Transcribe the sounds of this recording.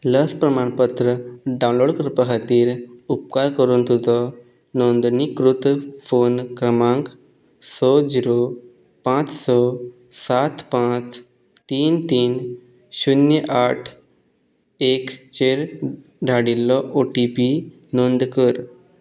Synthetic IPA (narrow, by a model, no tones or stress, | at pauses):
ləspɾəmaɳpət̪ɾəɖãw̃nloɽkəɾpəɦat̪iːɾup̚kaɾkəɾuːnt̪ʰut̪ɔ | nond̪nikɾut̪fonkɾəmãŋk | sɔd͡ziɾo | pãt͡ssɔ | sat̪pãt͡s | t̪iːnt̪iːn | ɕunjəʔaʈʰ | ekt͡ɕeɾ | ɖʱaɽilːɔʔoʈipi | nond̪kəɾ